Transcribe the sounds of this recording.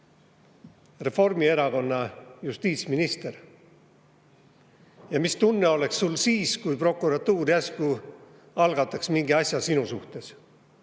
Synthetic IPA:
re̞fo̞rmie̞ɾɑko̞nːɑjust̪iːt̪sminist̪e̞r | jɑmist̪unːeo̞le̞ksːulsiːskujpro̞kːˑuɾɑt̪ːuːɾiæsku | ɑlɡ̥ɑt̪ːˑɑksmiŋɡ̥iɑsʲjɑsinusuht̪e̞s

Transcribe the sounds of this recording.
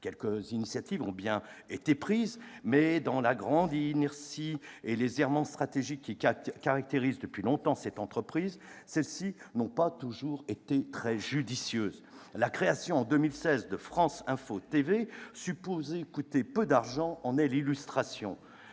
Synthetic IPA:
kʲɛlkəzinisjat̪ivɔ̃bjɛ̃ | et̪epχizmɛd̪ɑ̃laɡʁɑ̃d̪inɛʁsielezɛʁmɑ̃st̪χat̪eʒikʲːikaʁak̚t̪eʁizd̪əpɥilɔ̃t̪ɑ̃sɛt̪ɑ̃t̪χəpχizsɛlsinɔ̃pat̪uʒuʁet̪et̪χɛʒyd̪isjøːz | lakχeasjɔ̃ɑ̃d̪əmilsɛzd̪əfχɑ̃sɛ̃fot̪evesypozɛkut̪epød̪aʁʒɑ̃ɑ̃nɛlilyst̪χasjɔ̰̃

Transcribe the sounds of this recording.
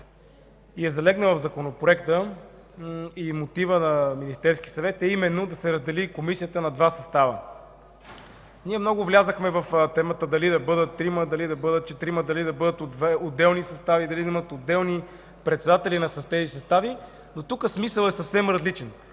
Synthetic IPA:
iɛzɐlɛɡnəvɐvzɐkonopɾoɛkt̪ə | imot̪ivənɐminist̪ɛɾskʲisɐvɛt̪ɛimɛnːod̪ɐsɛɾəzd̪ɛlikomisijət̪ənɐd̪vasɐst̪avə | niɛmnɔɡʊvlʲazəxmɛvɐft̪ɛmət̪əd̪ɐlid̪ɐbɤd̪ət̪ːɾiməd̪ɐlid̪ɐbɤd̪ət̪̚t͡ʃɛt̪ɾiməd̪ɐlid̪ɐbɤd̪ət̪ood̪ːɛlˠnisɐst̪avid̪ɐlid̪ɐimət̪od̪ːɛlˠni | pɾɛt̪sɛd̪at̪ɛlinɐsɐst̪ɛzisɐst̪avi | not̪ukəsmisəlˠɛsɐfsɛmɾɐzlit͡ʃɛn

